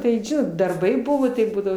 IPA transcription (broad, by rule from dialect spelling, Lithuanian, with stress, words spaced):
tɐɪ ˈʒʲɪnoːt dɐrˈbɐɪ ˈbʊʋoː tɐɪ ˈbuːdɐʋoː